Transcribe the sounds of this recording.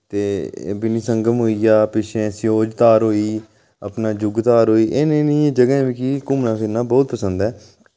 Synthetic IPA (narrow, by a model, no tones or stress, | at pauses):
t̪eːbɪniːsəŋɡəmɦoːiːaːpɪʃʰẽːsjoːd͡ʒt̪aːɾɦoːiː | ə̰pnaːd͡ʒʊɡt̪aːɾɦoːiːʔenenɪːẽːd͡ʒəɡɛ̃ːʋiːkikʊmnãːpʰɪɾnãːbɔːt̪̚pəsənd̪ɛː